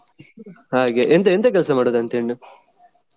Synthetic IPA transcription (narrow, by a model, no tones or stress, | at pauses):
haːɡeʔent̪eent̪ek̬ɛlsɐmaːɽoːd̪ɐnt̪eɳːu